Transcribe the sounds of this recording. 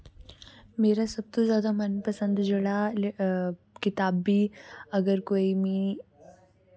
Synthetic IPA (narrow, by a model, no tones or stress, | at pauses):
meːɾasəb̚t̪uzjaːd̪amənpəsənd̪d͡ʒeɭa | kit̪aːbːiːəɡəɾkoːimiː